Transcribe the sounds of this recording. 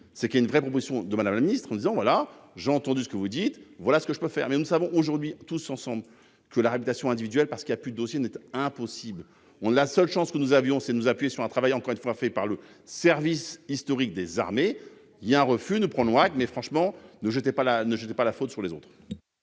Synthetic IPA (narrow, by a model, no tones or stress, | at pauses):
sɛkʲiaynvʁɛpχɔp̬ozisjɔ̃d̪əmad̪amlaminist̪χɑ̃nud̪izɑ̃vwalaʒeɑ̃t̪ɑ̃d̪ysə̥kəvud̪it̪vwalasə̥kəʒəpøfɛ̰ʁmɛnusavɔ̃ʔoʒuʁd̪ɥit̪usɑ̃sɑ̃bl | kəlaʁapit̪asjɔ̃ɛ̃d̪ivid̪yɛlpaʁsə̥kiljapyd̪əd̪osjenɛt̪ɛ̃pɔsibl | ɔ̃lasœlʃɑ̃skənuzavjɔ̃sɛd̪ənuzapɥjesyʁɛ̃t̪χavajɑ̃kɔʁynfwafɛpaʁlə | sɛʁvisist̪ɔʁik̚d̪eza̰ʁme | iljaɛ̃ʁəfynupχɑ̃nɔ̃akmɛfχɑ̃ʃmɑ̃nəʒət̪ɛpalanəʒət̪ɛpalafot̪syʁlezot̪χ